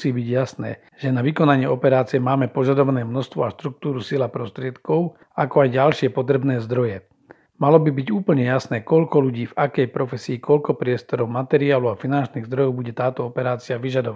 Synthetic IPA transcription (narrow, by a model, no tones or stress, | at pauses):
siːbiɟjasnɛ̰ː | ʒ̥ɛnaʋikɔnaɲɪɛɔpɛɾaːt͡sijɛmaːmɛpɔʒad̪ɔʋanɛːmnɔst̪ʋɔaʃt̪ɾuk̚t̪uːɾusilapɾɔst̪ɾɪɛt̪kɔʊ | akɔajɟalʃɪɛpɔt̪ɾɛbnɛːzd̪ɾɔjɛ | malɔbibiɟuːpl̩ɲɛjasnɛːkɔʎkɔʎuɟiːvakɛjpɾɔfɛsiːkɔʎkɔpɾɪɛst̪ɔɾɔʊmat̪ɛɾiaːluafinant͡ʃniːɣzd̪ɾɔjɔʊbuɟɛt̪aːt̪ɔɔpɛɾaːt͡siaʋiʒad̪ɔʋa